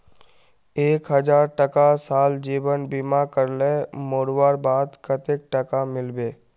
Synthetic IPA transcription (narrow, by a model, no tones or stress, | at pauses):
eːkɦəd͡ʒaːɾʈəkasaːld͡ʒiːʋənbiːmakəɾlemoːɽwaːɾbaːd̪kət̪ek̚ʈəkamɪlbeː